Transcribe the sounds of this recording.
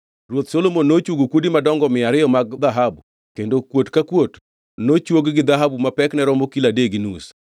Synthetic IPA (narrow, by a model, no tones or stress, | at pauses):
rwot̪solomonːot͡ʃuɡokwodimadɔŋɡɔmɪaɾɪjɔmaɡd̪aɦabu | kendokwotkakwot | not͡ʃwoɡɡɪd̪aɦabumapɛknɛɾɔmokiladeɡinṵs